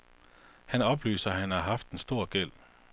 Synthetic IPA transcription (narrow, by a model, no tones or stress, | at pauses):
hænɒ̽b̥lyːsɐhænæɦɑfd̥̚ensd̥̪o̝ːɐɡ̥el̰